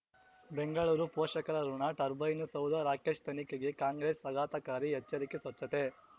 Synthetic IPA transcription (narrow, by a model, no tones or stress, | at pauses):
beŋɡɐɭuːɾupɔːʂɐkɐɾɐɾuɳaːʈɐɾbɐjnusɐwd̪ʱɐɾaːkeːʂt̪ɐnikeɡekaːŋɡɾeːsɐɡaːt̪ɐkaːɾiɦɛt͡ʃːɐɾikesʋɐt͡ʃːɐt̪e